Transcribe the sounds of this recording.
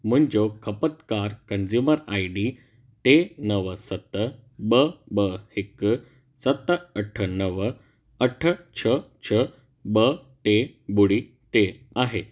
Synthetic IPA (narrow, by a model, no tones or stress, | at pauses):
m̤əɳd͡ʑokʰəpət̪kaɾkənd͡zjuməɾaiɖi | tenəʋəsət̪əbəbəhek | sət̪ːəəʈʰənəʋə | əʈʰət͡ɕʰət͡ɕʰə | bə | ʈebuɽi | t̪e | aɦe